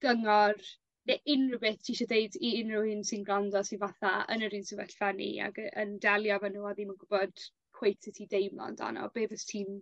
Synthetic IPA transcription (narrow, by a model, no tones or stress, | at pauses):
ɡ̥əŋɔr | nɛʔɪnrʊwbeθtʰiiʃɔdejdiɪnrɪwhɪnsɪnɡlandɔsinvaθaə̰nəɾiːnsɪvəɬvanḭa̰ɡəəndɛlˠjɔvanuwaðimanɡʊbɔd̥ | kʰw̥ejtʰɪtʰidejmlˠa̰nda̰nɔ̰b̥eːvəstʰiːn